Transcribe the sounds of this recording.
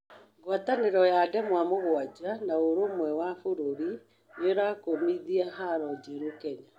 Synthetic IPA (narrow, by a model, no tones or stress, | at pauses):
ɡwataneɾɔjadɛmwamoɣwad͡ʑanaoɾomwɛwafoɾoɾi | neɾakomiðiaɦaɾɔd͡ʑɛɾokɛɲa